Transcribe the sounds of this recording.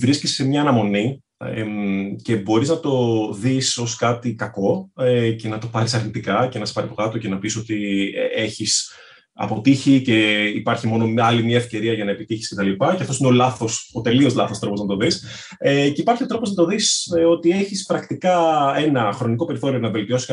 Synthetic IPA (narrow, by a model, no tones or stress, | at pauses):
vɾiscissemɲɐːnɐmo̞ni | ce̞bo̞ɾiznɐt̪o̞ðiso̞skɐt̪ikɐko̞ce̞nɐt̪opɐɾisɐɾnit̪ikɐce̞nɐse̥pɐɾipo̞kɐt̪o̞ce̞nɐpiso̞t̪ie̞çis | ɐ̰po̞t̪içice̞ipɐɾçimo̞no̞ɐlimɲɐefce̞ɾiɐʝɐnɐe̞pit̪içisce̞t̪ɐlipɐceɐft̪osineo̞lɐθo̞sot̪e̞lio̞zlɐθost̪ɾo̞po̞znɐt̪oðis | eceipɐɾçio̞t̪ɾo̞poznɐt̪o̞ðisot̪ie̞çispɾɐkt̪ikɐe̞nɐxɾo̞niko̞pe̞ɾiθo̞ɾio̞nɐve̞lt̪io̞si̥sk